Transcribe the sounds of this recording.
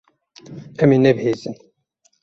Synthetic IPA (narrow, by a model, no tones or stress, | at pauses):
ɛmeːnɛbheːzɨn